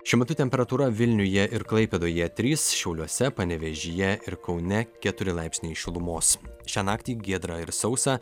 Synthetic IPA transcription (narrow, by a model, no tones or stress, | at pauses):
ʃʲɪmʲɐt̪ʊt̪ʲɛmʲpʲɛɾɐt̪uːɾɐʋʲɪlʲnʲʊjɛʔɪɾklˠɐɪpʲɛd̪oːjɛt̪ʲɾʲiːsʃʲɛʊlʲuɔsʲɛpɐnʲɛʋʲɛʒʲɪjɛɪɾkɒʊnʲɛkʲɛt̪ʊɾʲɪlˠɑɪpʲsʲnʲɛɪʃʲɪlˠʊmoːsʃʲæːnɑːkt̪ʲiːɡʲeːd̪ɾɐɪɾsɒʊsɑː